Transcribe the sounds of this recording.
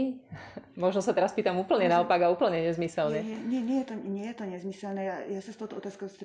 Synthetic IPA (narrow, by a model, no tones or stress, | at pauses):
mɔʒnɔsat̪ɛɾaspiːt̪amuːpl̩ɲɛnaɔpaɡauːpl̩ɲɛɲɛzmisɛlɲɛɲɪɛɲɪɛjɛt̪ɔɲɪɛjɛt̪ɔɲɛzmisɛlnɛːajasast̪oʊt̪ɔɔt̪aːskoʊst̪